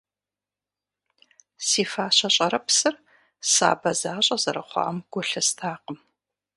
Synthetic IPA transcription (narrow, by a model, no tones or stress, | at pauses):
siːfaːɕɐɕʼɐɾɐpsɨr | sa̰ːbɐzaːɕʼɐzɐɾɐχʷɑ̰ʔmɡ̥ʷʊɬɐstʰaːqəm